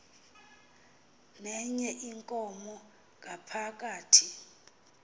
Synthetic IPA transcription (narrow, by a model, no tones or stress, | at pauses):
nɛɲɛʔiŋkʼɔmɔ | ŋʱʼapʰak̬ʼaːtʰi